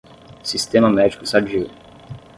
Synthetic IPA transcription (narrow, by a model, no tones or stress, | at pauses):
sist̪ẽmɐmɛd͡ʒikʊsad͡ʒiw